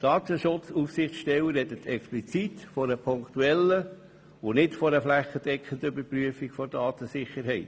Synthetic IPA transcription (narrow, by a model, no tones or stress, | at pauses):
d̥ɑːt̪əʃʊt͡sufsɪχt͡sʃtɛwəɾɛd̪ət̪ʰɛksplit͡sit̪fɔɾəpʰʊŋkt̪uɛlːə | onɪtfɔɾəflæχəd̥ɛkχənd̪əøbəɾpɾyəfikfɔɾdɑːt̪əsɪχəɾɦɛɪt